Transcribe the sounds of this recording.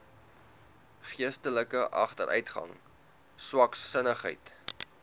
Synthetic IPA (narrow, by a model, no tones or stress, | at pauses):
χiəstələkəʔɐχtəɾʔœ̰ɥtχɐ̰ŋ | swɐksːənəχɦɛ̰jt